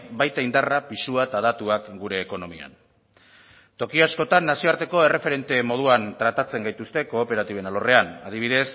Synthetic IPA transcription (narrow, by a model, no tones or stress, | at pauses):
bajt̪aind̪arapisuat̪aðat̪uakɡuɾe̞ːko̞no̞mia̰n | t̪o̞kiasko̞t̪anːasio̞aɾt̪e̞ko̞e̞refe̞ɾe̞nt̪e̞mo̞ð̞uant̪ɾat̪at͡se̞ŋɡajt̪ust̪e̞ko̞ːpe̞ɾat̪iβe̞nalo̞re̞anað̞iβ̞iðe̞s